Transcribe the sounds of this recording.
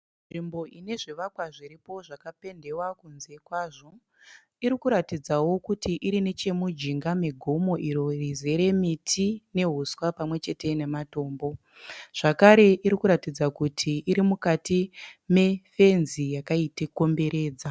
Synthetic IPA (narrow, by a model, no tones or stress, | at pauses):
nnʐimbo̞ine̞ʐiʋakwaʐiɾipo̞ʐakape̞nde̞wakunze̞kwaːʐo̞ | iɾikuɾatid͡zawo̞kutiʔiɾine̞t͡ʃe̞mud͡ʒiŋɡame̞ɡʱo̞mo̞ʔiɾo̞rize̞ɾe̞mitʰine̞ɦuswapamwe̞t͡ʃe̞te̞ne̞mato̞ːmbo̞ | ʐ̥akaɾe̞ʔiɾikuɾatid͡zakutʰiʔːɾimukatime̞fe̞nzijakaiteko̞mbe̞ɾe̞ːd͡za